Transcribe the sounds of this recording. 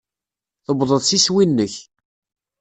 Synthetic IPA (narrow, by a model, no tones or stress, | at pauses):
θəbðˤəðˤsiswinːəç